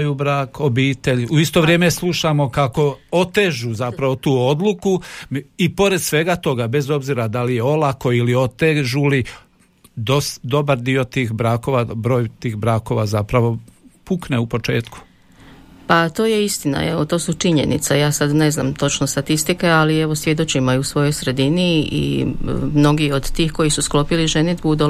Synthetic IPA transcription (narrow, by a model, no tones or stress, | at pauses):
jubɾaːkobiːt̪eʎuist̪o̞ʋɾjeːmeslˠuʃamo̞kako̞ot̪eʒuzapɾaʋo̞t̪uːo̞d̪lˠukuipo̞ɾe̞d̪̥sʋe̞ɡat̪o̞ɡabe̞zo̞bziɾad̪alijeo̞lˠako̞ilio̞t̪eʒuli | d̪osd̪o̞baɾd̪io̞t̪iːxbɾaːko̞ʋabɾo̞ːjt̪iːxbɾaːko̞ʋazapɾaʋo̞pukneupo̞t͡ʃe̞ːt̪ku̥ | pat̪o̞ːje̞ist̪ina̰eʋo̞t̪o̞ːsut͡ʃiɲe̞̰nḭt̪sajaːsad̪ne̞zna̰ːmt̪o̞t͡ʃnost̪at̪ist̪ikealie̞ʋo̞sʋje̞d̪ot͡ʃimaiusʋo̞jo̞jsɾe̞d̪iniḭmno̞ɡio̞d̪t̪iːxko̞jisusklo̞piliʒened̪bud̪u